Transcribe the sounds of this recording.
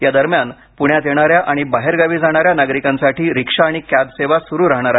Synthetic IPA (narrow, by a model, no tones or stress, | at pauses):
jad̪əɾmjan | puɳjat̪jeɽ̃aɾjaʔaɽ̃ibaɦeɾɡaʋiːd͡zʱaɽ̃aɾjanaɡɾikãnsaʈiːɾikʂaːɽ̃ikad̪seʋasuɾuːɾaɦɳ̃aɾa